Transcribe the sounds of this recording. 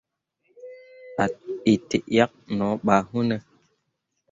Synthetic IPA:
a˨i˨te˨ʔja˦k̚nɔ˨˦ɓa˨hu˦ne˨

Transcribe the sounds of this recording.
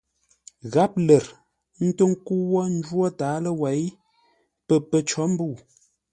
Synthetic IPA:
ɣa˨˦p̚lə˨ɾ | n̩˦tə˦ŋ˦ku˦wɔ˦n̩˦d͡ʒwɔ˦taː˨˦lə˦wa˨˦j | pə˦˨pə˨t͡ʃɔ˨˦m̩˦bu˦˨

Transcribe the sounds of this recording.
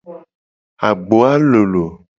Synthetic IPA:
a˨ɡ͡bo˨a˦lo˨lo˨

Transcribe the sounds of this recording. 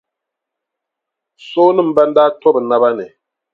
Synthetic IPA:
so˦nɨ˦˨m̩˨˦ba˦n˦daː˦tɔ˦bɨ˨na˦βa˦nɨ˨

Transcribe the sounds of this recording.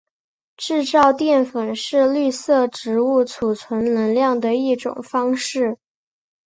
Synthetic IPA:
ʈ͡ʂɻ̩˥˧t͡sɑ˥˧ʊt̪jɛ˥˩nfə˨˩nʂɻ̩˥˧ly˥˧sɤ˥˩ʈ͡ʂɻ̩˧˥u˥˩t͡sʰu˨˩t͡sʰwə˧˥nlə˧˥nljɑ˥˩ŋd̪ə˩i˥˩ʈ͡ʂʊ̰˨˩ŋfɑ˥ŋʂɻ̩˥˩

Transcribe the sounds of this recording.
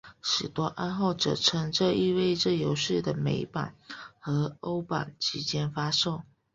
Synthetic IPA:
ʂɻ̩˨˩t̪wɔ˥ʔa˥˧nxo˥˩ʊʈ͡ʂɤ̰˨˩ʈ͡ʂʰɤ˧˥ŋʈ͡ʂɤ˥˧i˥˧we˥˧ɪʈ͡ʂɤ˥˩jo˧˥ʊʂɻ̩˥˩d̪ə˩me˧˥ɪpa̰˨˩nxɤ˧˥o˥ʊpa̰˨˩nt͡ɕʰi˧˥t͡ɕjɛ˥nfa˥ʂo˥˩ʊ

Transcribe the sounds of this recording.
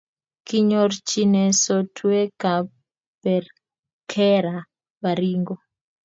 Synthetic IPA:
ki˦ɲɔrt͡ʃi˦nɛ˨sɔtʰwɛ˦ka˨ | pɛ˨r | kʰɛ˦ɾa˨ | ba˨ɾi˦ŋɡɔ˦

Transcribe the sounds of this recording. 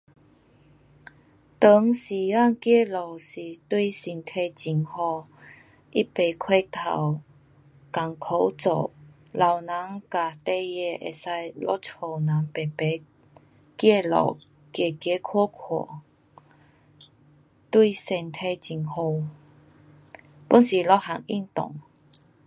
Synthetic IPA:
t̪ə˧˦ŋsi˨˩a˥˧˨ŋkje˥˧˨lɔ˨˩wsi˨˩t̪wi˥˧si˨˩nt̪ʰe˧t͡ɕi˨˩ŋhɔ˧ | ʔi˦˥pe˨˩kʰwe˥˧t̪ʰa̰˨˩w | ka˨˩ŋkʰo˧˦wt͡so̰˨˩la˨wna˨˦ŋka˨˩t̪e˥˧jɛ˧ʔḛ˨˩sa˧jlɔ˦˥t͡sʰo˨˩nã˨˦ŋpe˨˩pe˨˦ | kje˥˧lɔ̰˨˩w | kje˨˩kje˧˦kʰɔ˥˦kʰwɔ̰˨˩ | t̪wi˥˧sɛ˧˩nt̪ʰe˧t͡ɕi˨˩ŋho˧ | pu˧˦nsi˨˩lɔ˦˥ha˨˧˨ŋḭ˥˧˨nt̪ɔ̰˨˩ŋ

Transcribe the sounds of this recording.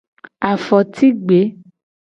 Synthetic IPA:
a˨fɔ˨t̪ʰi˦ɡ͡be˨˦

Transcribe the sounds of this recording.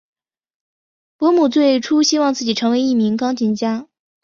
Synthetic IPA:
pwɔ˧˥mu˨˩t͡swe˥˩ɪʈ͡ʂʰu˥ɕi˥wɑ˥˧ŋt͡sɹ̩˥˩t͡ɕi˨˩ʈ͡ʂʰɤ˧˥ŋwe˧˥ɪi˥˩mi˧˥ŋkɑ˥ŋt͡ɕi˧˥˩nt͡ɕja˥

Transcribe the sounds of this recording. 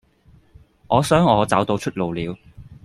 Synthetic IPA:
ʔɔː˨˧sœː˥ŋɔː˨˧t͡sɐ˨˥wt̪o˧wt͡ʃʰɵ˥t̚lo˨wliː˨˧w

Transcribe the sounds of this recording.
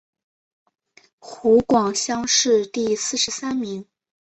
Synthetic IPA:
xu˧˥kwɑ˨˩ŋɕjɑ˥ŋʂɻ̩˥˧t̪i˥˧sɹ̩˥˩ʂɻ̩˧˥sa˥nmi˧˥ŋ

